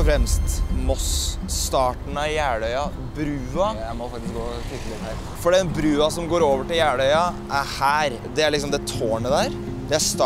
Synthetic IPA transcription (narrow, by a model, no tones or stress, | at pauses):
fɾɛmst̪mɔsːt̪ɑːʈn̩ɑjæːɽœʏɑ | bɾʉːɑjæɪmɔfɑk̚t̪ɪskɡoːtɪkːəlɪhæːɾ | fɔɖɛnbɾʉːɑsɔmɡoːɾoːʋəʈɪljæːɽœʏɑʔæɾhæːɾ | d̪ɛæɭɪksɔmd̪ɛt̪ʰoːɳəd̪æɾ | d̪ɛæʂt̪ː